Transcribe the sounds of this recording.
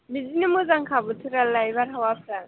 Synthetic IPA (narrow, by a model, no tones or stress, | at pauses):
bizinɯmuzaŋkʰabɯtʰɯɾalajbaɾɦawapʰɾa